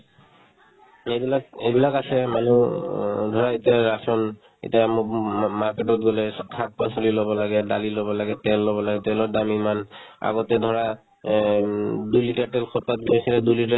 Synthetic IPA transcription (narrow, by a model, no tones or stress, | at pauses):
ejbilakejbilakasɛmanu | dʱɔɹaetiaɹasɔn | ḛtiamumaɹketɔtɡɔlɛkʰat̚pasolilɔbɔlaɡɛdalilobɔlaɡɛtɛlːɔbɔlaɡɛtɛlɔɹdamimana̰ɡɔtɛdʱɔɹa | dujlitatɛlkʰɔtat̚boisilɛdujlita